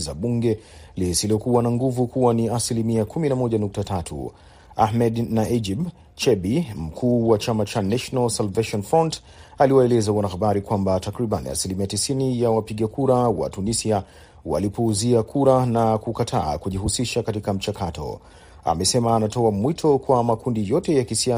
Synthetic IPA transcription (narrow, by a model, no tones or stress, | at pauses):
zaɓuŋɡɛlisiliɔkuwanaŋɡuvukuwaniasilimiakuminamɔʄanuk̚tatʰatʰṵ | ahmɛdnaʔid͡ʒib | t͡ʃɛbim̩kʰuːwat͡ʃamat͡ʃanaʃɔnalsalveʃɔnfɔnt | aliwaɛlɛzawanaxaɓaɾikwambatakɾiɓanḭa̰silimiatisinijawapiɠakuɾawa̰tunisia | wa̰lipɔːziakʰuɾanakukatʰa̰ːkuʄihusiʃakatikam̩t͡ʃakatʰɔ̰ | a̰mɛsɛmaːnatɔamwitʰɔkwamakundijɔtɛjakisia